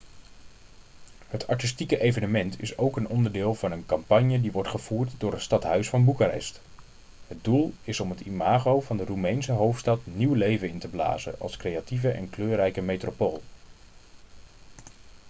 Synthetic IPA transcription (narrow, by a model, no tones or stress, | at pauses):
hətʰɑ̰ɹtɪstikəʔejvənəmɛntʰɪ̰sowkənɔndəɹdɪːlˠvɑnənkɑmpɑɲjədiʋɔɹtχəv̥uːɹtdʊːɹɦətstɑtɦœɥsfɑnbukarɛ̰st | ɦəd̚dulˠɪsɔmɦətimaːχowvɑndərumejnsəɦowftstɑtniwlejvənɪntəbla̰ːzə̰ʔɑ̰lˠskrejativəʔɛ̰nkløːrɛjkəmejtropoːlˠ